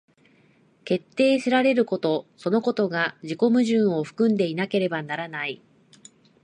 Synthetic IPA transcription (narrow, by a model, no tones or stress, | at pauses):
ke̞t̪ːe̞ːɕiɾaɾe̞ɾɯ̟ko̞t̪o̞so̞no̞ko̞t̪o̞ɡaʑiko̞mɯ̟ʑɨ̃ɰ̃o̞ɸɯ̟̥kɯ̟̃nd̪e̞inake̞ɾe̞banaɾanai